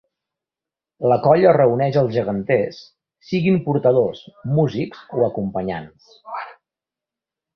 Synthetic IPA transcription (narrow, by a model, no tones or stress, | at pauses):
ləkɔʎərəunɛʃəlˠzʒəɣənt̪esː | iɣimpuɾt̪əðosmuzikzoəkumpəɲans